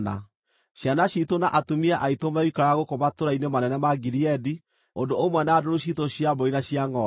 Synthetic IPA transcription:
na̰ | ʃjanaɕitonaʔatumiaʔaitomaikaɾaɣokomatoɾainemanɛnɛmaɡiɾiɛdi | ondoomwɛnaːdoɾoɕitoɕjaboinaɕiaŋɔ

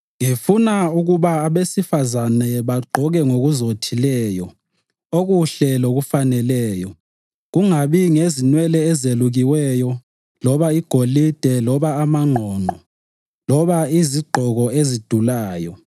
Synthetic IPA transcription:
ŋifunauɣuβaːβesifazanɛβaɡ͡ǃʱɔɣɛŋoɣuzotʰilɛːjɔ | oɣuɬɛloɣufanɛlɛːjɔ | ɣuŋaβiŋezinwɛlɛːzeluɣiwɛjɔ | lɔβaiɡ̥ʱolid̥ʱɛlɔβaːmaŋ͡ǃʱɔːnʱɔ | lɔβaiziɡ͡ǃʱɔɣɔezid̥ʱulaːjɔ

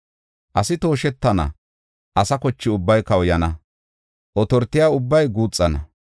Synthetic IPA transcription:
ʔɐsɪt̪o̞ːʃɛt̪ːɐnɐ̰ | ʔɐsɐkɔt͡ʃːɪʊbːɐjkɐwjɐnɐ | ʔɔt̪ɔɾt̪ːɪjaːʊbːɐjɡuːt͡sʼːɐnɐ̰

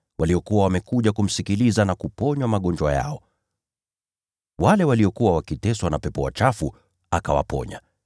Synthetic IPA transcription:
wʔaliɔkuwawamɛkuʄakum̩sikilizanakupɔɲwamaɠɔnd͡ʒwaja̰ɔ | walɛwaliɔkuwawakitɛswanapɛpɔwa̰t͡ʃafu | akawa̰pɔ̰ɲa̰

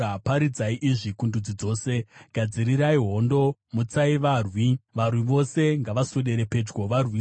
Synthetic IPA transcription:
apaɾid͡zaiʔiʐikundud͡zid͡zo̞ːse̞ɡ̥ʱad͡ziɾiɾaiɦo̞ndo̞mut͡saiʋaːrwiʋarwiʋo̞se̞ŋɡaʋasoɗe̞ɾe̞pe̞d͡ʒɡo̞ʋarwi

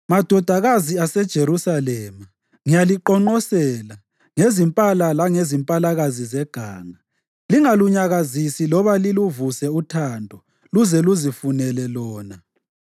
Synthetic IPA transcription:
mad̥ʱɔd̥ʱaɣaziasɛd̥ʒ̥ʱeɾusalɛma | ŋijaliǃɔŋ͡ǃɔsɛla | ŋezimpʼalalaŋezimpʼalaɣazizɛɡ̥ʱa̰ːŋa | liŋaluɲaɣazisilɔβaliluvusɛutʰandʱɔ | luzɛluzifunɛlɛlɔːna

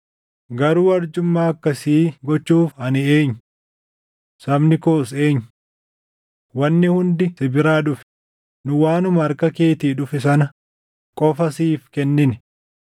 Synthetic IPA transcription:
ɡɐɾuːɐɾd͡ʒʊmːaːɐkːɐsiːɡɔt͡ʃːuːfɐnɪe̞ːɲːʊ | sɐbnɪkoːs̬e̞ːɲːʊ | wɐnːɪhʊnd̪ɪsɪbɪɾaːᶑʊfɛ̥ | nʊwaːnʊmɐɐɾkɐke̞ːt̪iːᶑʊfɪsɐnɐ | kʼɔfɐsiːfkɛnːɪnɪ

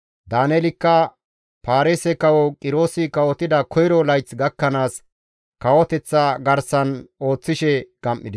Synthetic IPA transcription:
d̪aːnɛlɪkːɐ | paːɾeːsɛkɐwɔkʼɪɾo̞ːsɪkɐwɔt̪ɪd̪ɐkʰɔjɾɔlɐjt͡sɡɐkːɐnaːs | kɐwɔt̪ɛt͡sːɐɡɐɾsɐno̞ːt͡sːɪʃɛɡ̥ɐmʔːɪd̪ɪ

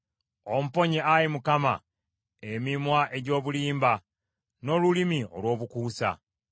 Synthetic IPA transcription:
o̞m̩upo̞ɲeajimukama̰ | emimwaʔe̞ɟo̞ːβuliːmba | no̞lulimio̞̰lwo̞ːβukuːsa̰

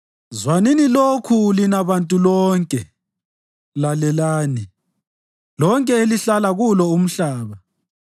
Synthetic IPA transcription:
zwanenilokʰulinaβantʼulɔŋkʼɛ | lalɛlaːni | lɔŋkʼɛeliɬalaɣulɔum̩ɬaːβa

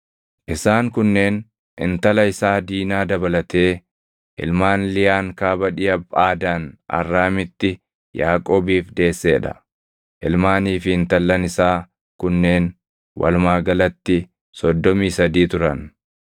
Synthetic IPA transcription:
ʔɪsaːŋkʊnːe̞ːn | ɪ̰nt̪ɐlɐɪsaːd̪iːnaːd̪ɐbɐlɐt̪e̞ː | ʔɪ̰lmaːnlɪjaːŋkaːbɐᶑɪjɐbaːd̪aːnʔɐ̰rːaːmɪt̪ːɪ | jaːkʼoːbiːfd̪e̞ːsːeːᶑɐ̰ | ʔɪlmaːniːfɪɪnt̪ɐlːɐnɪsaː | kʊnːe̞ːn | wʔɐ̰lmaːɡɐlɐt̪ːɪ | sɔd̪ːɔmiːsɐd̪iːt̪ʊɾɐn

